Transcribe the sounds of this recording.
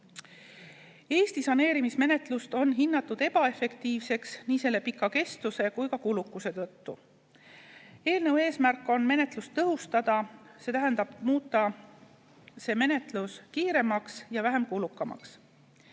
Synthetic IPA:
e̞ːst̪isɑne̞ːɾimisme̞ne̞t̪ˑlust̪o̞nːɦinːɑt̪ːˑud̪e̞b̥ɑe̞fe̞kt̪iːvse̞ksniːse̞lːe̞pikːˑɑke̞st̪use̞kujkɑkulukːˑuse̞t̪ɤt̪ːu | e̞ːlnɤweːsmærkˑːo̞nme̞ne̞t̪ˑlust̪ːɤɦust̪ɑd̪̥ɑse̞ːt̪æɦend̪̥ɑb̥muːt̪ˑːɑ | se̞ːme̞ne̞t̪luskiːɾe̞mɑksjɑvæɦe̞mkulukːˑɑmɑ̰ks

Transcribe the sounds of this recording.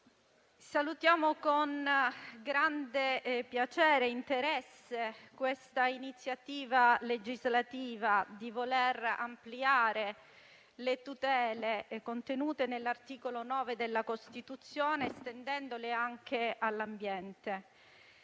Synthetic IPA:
salut̪jaːmokonɡɾand̪epjat͡ʃɛːɾeint̪eɾɛsːekwest̪ainit̪sːjat̪iːvaled͡ʒizlat̪iːvad̪ivolera̰mpliaːɾe | let̪ut̪ɛːlekont̪enuːt̪enelːart̪iːkolonɔːved̪elːakost̪it̪ut̪sːjoːnest̪end̪ɛnd̪oleaŋk̟ealːambjɛnt̪e

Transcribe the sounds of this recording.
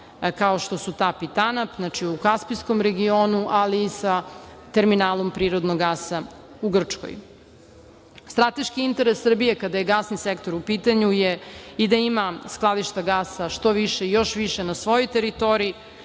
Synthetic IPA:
kaoʃt̪o̞sut̪aːpit̪anapznat͡ʃiukaspiskomɾe̞ɡio̞ːnuʔaliːsat̪e̞ɾminaːlˠompɾiːɾod̪noɡasa | uɡr̩t͡ʂko̰j | st̪ɾat̪eʃkiint̪e̞ɾesːr̩bijekad̪aje̞ɡasnisekt̪o̞ɾupiːt̪aɲujeid̪aimasklˠad̪iʃt̪aɡaːsaʃt̪o̞ʋiʃeijo̞ʃʋiʃenasʋo̞jojt̪e̞ɾit̪o̞ɾiː

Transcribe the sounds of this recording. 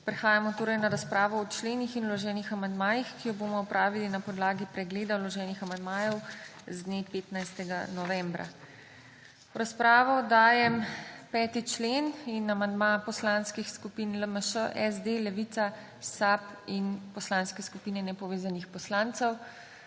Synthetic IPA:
pɾɛxaːjamɔt̪oːɾɐjnaɾaspɾaːʋɔːt͡ʃleːnixinulɔʒɛːnixamand̪maːjixkijɔboːmɔɔpɾʔaːʋilinapɔd̪laːɡipɾɛɡleːd̪awlɔʒɛːnixamand̪maːjɛwzd̪neːpeːt̪najst̪ɛɡanɔʋɛ̃mbɾa̰ | wɾaspɾaːʋɔd̪aːjɛmpɛːt̪it͡ʃleːninamand̪mapɔslaːnskixskupinləməʃəʔɛzd̪elɛʋit̪sa | sapinpɔslaːnskɛskupiːnɛnɛpɔʋeːzanixpɔslaːnt̪sɛw

